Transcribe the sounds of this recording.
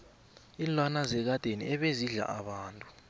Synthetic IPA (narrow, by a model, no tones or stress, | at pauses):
inlwanazɛk̬ad̥ʱeniʔɛɓeziɮa̰ʔaɓaːntʼu̥